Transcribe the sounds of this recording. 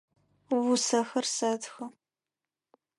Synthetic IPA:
wʊsɐxɐrsɐtxɐ

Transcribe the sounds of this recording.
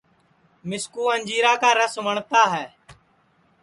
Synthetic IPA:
mɪskuːənd͡ʒiːɾaːkaːɾəsʋəɳt̪aːɦɛː

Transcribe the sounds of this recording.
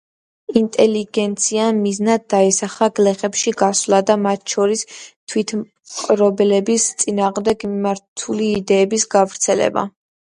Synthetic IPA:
int̪ʼɛliɡɛnt̪sʰiamiznad̪ːaisaχaɡlɛχɛpʃiɡaslˠad̪amat̪ʰʃʰɔɾist̪ʰwit̪ʰ | qʼɾɔbɛlɛbist̪sʼinaːʁmd̪ɛɡmimaɾt̪ʰuliːd̪ɛːbisɡavɾt̪sʰɛlɛ̰ba̰

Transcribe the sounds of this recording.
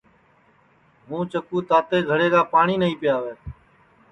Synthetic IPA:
ɦũːt͡ʃəkuːt̪aːt̪eːɡʱəɽeːkaːpaːɳiːnəɦĩːpɪjaːʋeː

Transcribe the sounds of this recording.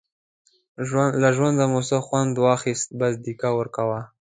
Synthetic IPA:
laʒwand̪amosaxwand̪wɑxist̪̚bas̬d̪ikawəɾkawa

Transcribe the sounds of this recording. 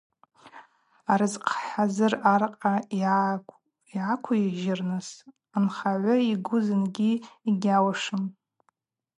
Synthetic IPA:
aɾɨzqʰħazɨrarqʼa | iʕakʷʰʊiʒɪrnɨs | anχaʕʷʊiɡʷʊzɨnɡʲiiɡʲawaʂɨm

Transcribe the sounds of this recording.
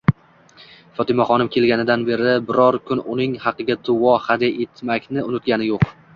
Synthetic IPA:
fɒt̪ɪmaχɒnɪmkʲʰe̞lɡʲanɪd̪anbe̞ɾɪbɪɾɒɾkʲʰʊnʊnɪŋhɑqɨɡʲad̪ʊɒχad̪aʔet̪makʲnɪʊnɪt̪ɡʲanɪjoq

